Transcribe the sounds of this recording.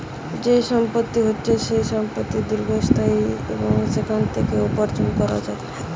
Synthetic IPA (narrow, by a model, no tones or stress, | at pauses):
d͡ʑeʃɔmpot̪ːiɦotːʃʰeʃejʃɔmpət̪ːid̪uɾɡʱost̪ʰaiḛboŋsekʰant̪ʰekeopɔɾd͡ʑonkɔɾa̰d͡ʒaee